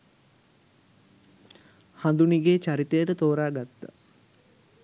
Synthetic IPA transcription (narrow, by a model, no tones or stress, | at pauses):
hand̪uniɡeːt͡ʃaɾit̪ejəʈət̪oːɾaːɡat̪ːə̰